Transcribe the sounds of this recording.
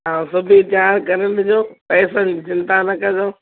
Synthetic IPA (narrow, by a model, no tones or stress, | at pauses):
ãːsʊbʱit͡ɕaːɾkɐɾənɪd͡ʑoːpɛːsəd͡ʑɪ̃nd̪anɐkɐdõː